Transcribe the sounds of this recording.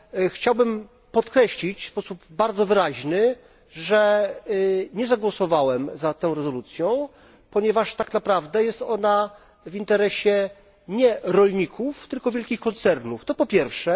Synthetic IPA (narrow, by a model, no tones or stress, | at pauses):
xt͡ɕawbɘm | pɔt̪kɾɛɕlʲit͡ɕfspɔsubbaɾd̪zɔvɘɾaʑnɘ | ʐɛ | ɲɛzaɡwɔsɔvawɛmzat̪ɛ̃w̃ɾɛzɔlut̪sʲjɔ̃w̃ | pɔɲɛvaʂt̪aknapɾavd̪ɛjɛst̪ɔna | vint̪ɛɾɛɕɛ | ɲɛɾɔlɲikʰuft̪ɘlkɔvʲjɛlkʲixkɔnt̪sɛɾnuft̪ɔpɔpʲjɛɾfʂɛ